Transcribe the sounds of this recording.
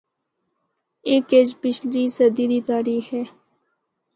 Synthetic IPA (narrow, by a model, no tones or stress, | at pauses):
eːked͡ʒpɪt͡ʃʰliːsəd̪iːd̪iːt̪aːɾiːxɦɛː